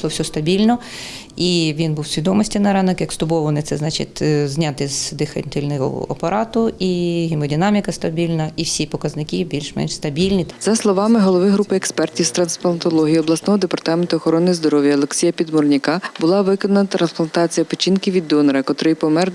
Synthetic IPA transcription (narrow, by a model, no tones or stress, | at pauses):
lˠɔwsʲɔst̪ɐbʲilʲnɔ | iʋʲinbuwsʲʋʲid̪ɔmɔsʲtʲinɐɾɑnɐkjɐkst̪ʊbɔʋɐnɪt̪sɛznɑt͡ʃɪ̰t̪ʲzʲnʲat̪ɪzd̪ɪxɐ̰nʲt̪ɪlʲnɔɦɔ̰ɐ̰pɐɾɑt̪ʊiɦɪmɔdʲinɑmʲikɐst̪ɐbʲilʲnɐiwsʲipɔkɐznɪkʲibʲilʲʃmɛ̰nʃst̪ɐbʲilʲnʲiz̥ɐslˠɔʋɑmɪɦɔlˠɔʋɪɦɾupɪɛkspɛrtʲiwst̪ɾɐnsplˠɐnt̪ɔlˠɔɦʲijiɔblˠɐsnɔɦɔd̪epɐrt̪ɑment̪ʊːɔxɔɾɔnːɪzd̪ɔɾɔwʲjɐɔlˠeksʲijɐpʲid̪mɔrnʲɪkɑbʊlˠɑʋɪkɔnɐnɐt̪ɾɐnsplˠɐnt̪ɑt͡sʲijɐpet͡ʃʲinkɪʋʲid̪ːɔnɐɾɐkɔt̪ɾɪjpɔmɛr